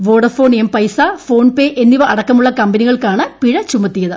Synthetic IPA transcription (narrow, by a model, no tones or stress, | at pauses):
ʋo̞ːɽɐfo̞ːɳempɐjsafo̞ːɳpeːʔenːiʋɐʔɐɽɐkːɐmuɭːɐkɐmbɐniɣɐɭkaːɳɨpiɻɐt͡ɕumːɐt̪ːijɐðɨ